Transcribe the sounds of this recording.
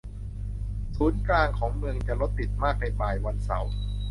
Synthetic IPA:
suː˩˦nklaː˧ŋkʰɔː˩˦ŋmɯ˧əŋt͡ɕa˨˩lo˦˥t̪ːi˨˩t̪̚maː˥˩k̚na˧jbaː˨˩jwa˧nsa̰˨˩˦w

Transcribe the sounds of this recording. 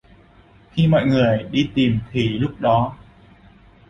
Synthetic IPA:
xi˧mɔ̰˧˨jŋɨ˨˩əjɗi˧t̪i˨˩mt̪ʰi˨˩lʊ˦˥k͡p̚ɗɔ˨˦

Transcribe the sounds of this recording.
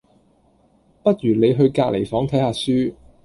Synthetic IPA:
pɐ˥t̚jyː˨˩ne˨˧jɦɵ˧ɥkaː˧k̚le˨˩jfɔː˨˥ŋt̪ʰɐ˨˥jhaː˨˧syː˥

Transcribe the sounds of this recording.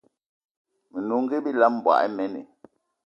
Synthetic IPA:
me˨nu˨ŋ˦ɡe˦bi˦la˦m˨bwa̰˨ʔɛ˦mɛ˦nḛ˨

